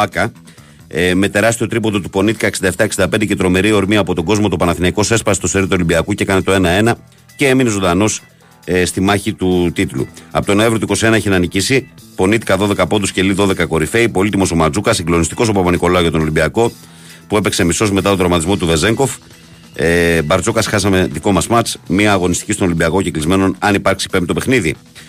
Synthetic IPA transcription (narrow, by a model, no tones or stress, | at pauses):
ɐkɐ | me̞t̪e̞ɾɐst̪io̞t̪ɾipo̞t̪ot̪u̥po̞nit̪i̥kɐeksind̪ɐft̪ɐksind̪ɐpend̪ecet̪ɾo̞me̞ɾio̞ɾmiɐpo̞t̪o̞ɡo̞zmo̞t̪opɐnɐθinɐiko̞se̞spɐsist̪ose̞ɾit̪uo̞limbiɐkucekɐnet̪o̞e̞nɐe̞nɐ | ceeminezo̞d̪ɐno̞s | st̪imɐçit̪ut̪it̪lṵɐpot̪onoevɾot̪uiko̞sie̞nɐiçenɐnicisipo̞niθi̥kɐðo̞ðe̞kɐpo̞d̪usce̞liðo̞ðe̞kɐko̞ɾife̞ipo̞lit̪imo̞somɐd͡zukɐsiŋɡlo̞nist̪i̥ko̞s̬opɐpɐniko̞lɐoʝɐt̪o̞no̞limbiɐko̞ | pue̞pekse̞miso̞zme̞t̪ɐt̪od̪ɾɐmɐt̪izmo̞t̪uve̞ze̞ŋko̞f | bɐɾt͡sokɐsxɐsɐme̞ðiko̞mɐsmɐt͡smiɐːɣo̞nist̪cist̪onolimbiɐko̞ceklizme̞no̞nɐnipɐɾksi̥pe̞mp̪t̪ope̞xniði